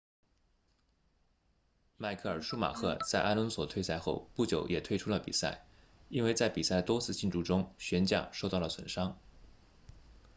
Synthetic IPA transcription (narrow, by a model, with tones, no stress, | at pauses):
ma˥ɪkʰɤ˥˩ə˞˨˩ʂu˥ma̰˨˩kʰɤ̰˥˧t͡sa˥˧ɪʔa˥lwə˧˥nswɔ˨˩t̪ʰwe˥˧ɪsa˥˧ɪxo̰˥˧ʊpu˥˩t͡ɕjo˨˩˥ʊjɛ˨˩t̪ʰwe˥˧ɪʈ͡ʂʰu˥lə˨pḭ˨˩sa̰˥˩ɪ | i˥nwe˥˧ɪt͡sa˥˩ɪpi˨˩sa˥˩ə˩t̪wɔ˥t͡sʰɹ̩˥˧t͡ɕi˥˧nʈ͡ʂu˥˩ʈ͡ʂʊ˥ŋɕɥɛ˧˥nt͡ɕja̰˥˩ʂo˥˧ʊt̪ɑ˥˩ʊlə˩swə̰˨˩nʂɑ˥ŋ